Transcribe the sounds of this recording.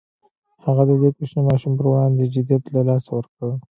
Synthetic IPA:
haɣad̪əwekeʃnemɑʃumpəɾwɑnd̪əd͡ʒɪd̪ijat̪lalɑsawəɾkə

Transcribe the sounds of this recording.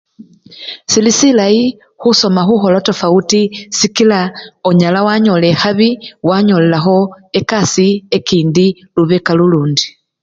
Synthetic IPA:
silisilaji | xuso̞maxuxo̞lotofautisikilaoɲalawaɲo̞le̞xaβiwaɲo̞le̞laxo̞ | e̞kasie̞kiːndi | luβekaluluːndi

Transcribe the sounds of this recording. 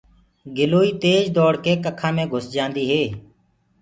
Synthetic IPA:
ɡɪloːiːt̪eːd͡ʒd̪ɔːɽkeːkəkʰãːmẽːɡʱʊsd͡ʒãːnd̪iːɦeː

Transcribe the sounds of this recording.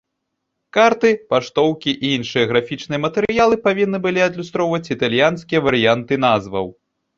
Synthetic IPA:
kart̪ɨpaʂt̪ɔwkʲiʔiinʂɨjɐɣɾafʲit͡ʂnɨjɐmɐt̪ɛɾɨjalˠɨpavʲinːɨbɨlʲiɐd̪lʲust̪ɾɔwvɐt͡sʲit̪alʲjanskʲijɐvɐɾɨjant̪ɨnazvɐ̰w

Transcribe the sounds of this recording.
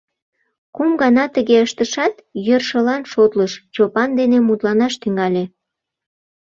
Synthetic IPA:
kumɡɑnɑt̪əɣeəʃt̪əʃɑt̪jørʃəlɑnʃot̪ləʃt͡ɕopɑnd̪enemut̪lɑnɑʃt̪yŋɡɑlʲe

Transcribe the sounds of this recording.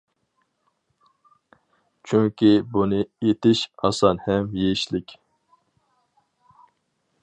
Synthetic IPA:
t͡ʃʰyŋkʲibunɨet̪ʰɪʃhɑ̰sɑnhɛmjeiʃlɪkʲ

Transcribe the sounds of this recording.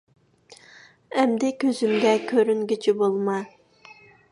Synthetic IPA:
ɛmd̪ɪkʲʰøzymɡʲɛkʲʰøɾyŋɡʲit͡ʃʰibolˠmɑ

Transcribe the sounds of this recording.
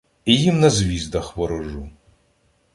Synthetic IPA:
ijimnɐzʲʋʲizd̪ɐxwɔɾɔʒu

